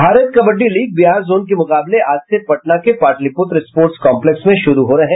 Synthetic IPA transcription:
bʱaːɾət̪̚kɐbəɖːiliːɡ̚bijaːɾzoːnk̬emʊqaːbleʔaːd͡ʒsepɐʈ̚nakepaːʈlipʊt̪ɾɪspoːɾʈskɔ̃ːmpleksmẽʃʊɾuɦoɾɐɦẽ

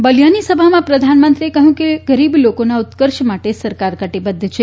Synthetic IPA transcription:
bəlijanisəbʱamãpɾəd̪ʱanmənt̪ɾiekəɦjũkeɡəɾiblokonaʊt̪kəɾʃmaʈesəɾkaɾkəʈibəd̪ʱːt͡ʃʰe

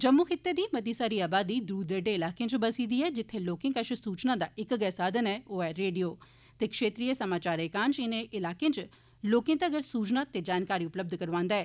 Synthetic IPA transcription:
d͡ʒəmːuːxʰɪt̪ːeːd̪iːməd̪iːsaːɾiːaːbaːd̪iːd̪ɾuːd̪əɖeːɪlaːkẽːt͡ʃbəsiːd̪iːɛːd͡ʒɪt̪ʰːeːloːkɪ̃ːkəʃəsuːt͡ʃnãːd̪aːʔɪkɡɛːsaːd̪ənɛːoːɛːɾeːɖijoː | t̪eːkʃeːt̪ɾiːesəmaːt͡ʃaːɾekãːnt͡ʃɪnẽʔɪlaːkẽːt͡ʃ | loːkẽːt̪eəɡəɾsuːt͡ʃnaːt̪eːd͡ʒaːnkaːɾiːʊpləb̚d̪ʱkəɾʋãːnd̪aɛː

